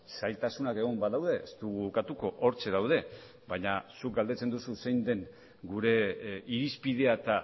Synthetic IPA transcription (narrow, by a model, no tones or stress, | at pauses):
sajlt̪asunake̞ɣ̞o̞mbaðawðe̞est̪uɣuβkat̪uko̞ʔoɾt͡ʃe̞ðawð̞e̞ | baɲasuk̚ɡald̪e̞t͡se̞nd̪ususe̞jnd̪e̞ŋ | ɡuɾe̞iɾispið̞e̞at̪a